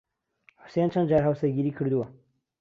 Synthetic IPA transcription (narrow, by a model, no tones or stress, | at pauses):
ħʊ̥sent͡ʃʰɐnd̪d͡ʒaːɾɦɐwsɐɡʲiːɾiːkʰɨɾd̪uwɐ